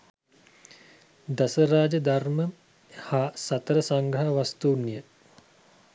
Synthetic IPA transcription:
d̪asəɾaːd͡ʒəd̪armə | hasat̪əɾəsaŋɡɾaɦaʋast̪uːnːijə

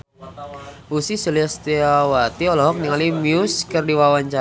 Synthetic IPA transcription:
usisuliast̪iawat̪iɔlɔɦɔk̚niŋalimiuskərdiwawaɲt͡ʃa

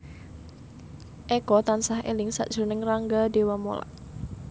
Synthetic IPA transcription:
ʔɛkɔt̪ansaɦʔḛlɪŋsa̰ʔd̥ʒ̥unɪŋraŋɡadewamo̰la̰ʔ

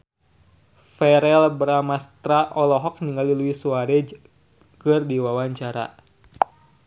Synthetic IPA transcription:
fɛɾɛlbɾamast̪ɾaʔɔlɔɦɔk̚niŋɡaliluisuaɾɛd͡ʒ | kɨrdiwawaɲt͡ʃaɾa̰

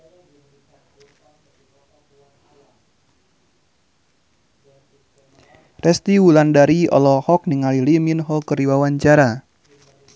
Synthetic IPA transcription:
rɛst̪iwulandaɾiɔ̰lɔhɔk̚niŋaliliminɦɔkəɾiwawaɲt͡ʃaɾa

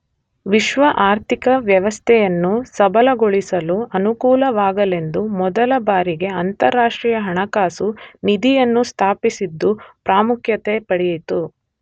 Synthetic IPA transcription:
ʋiʃʋɐʔaːɾt̪ʰikɐʋjɐʋɐst̪ʰɛjɐnːusɐbɐlɐɡoɭisɐluɐnukuːlɐʋaːɡɐle̞nd̪umɔd̪ɐlɐbaːɾiɡe̞ɐnt̪ɐɾːaːʂʈɾiːjɐɦɐɳɐkaːsunid̪ijɐnːust̪ʰaːpisid̪ːupɾaːmukʰjɐt̪epɐɽɛjit̪u

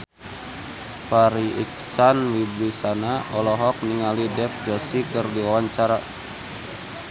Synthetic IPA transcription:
paɾiʔik̚sanwibɾisanaʔɔlɔɦɔk̚niŋalidɛfd͡ʒɔsikɨrdiwawaɲt͡ʃaɾa

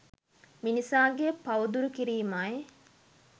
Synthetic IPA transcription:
minisaːɡepɐwud̪uɾukiɾiːmaj

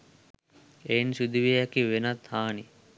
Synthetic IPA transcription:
ensud̪uʋiejakiʋenat̪haːni

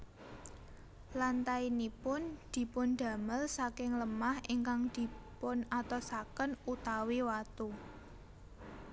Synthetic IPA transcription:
lant̪ainipʊnd̪̥i̤pʊnd̪̥ä̤məlsakɪŋləmahiŋkaŋd̪̥i̤pʊnat̪ɔsakənut̪awiwat̪u

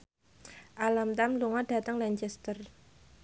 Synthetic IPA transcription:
ʔalamt̪amluŋɔɖ̥a̤t̪əŋlaɲt͡ʃɛst̪ər

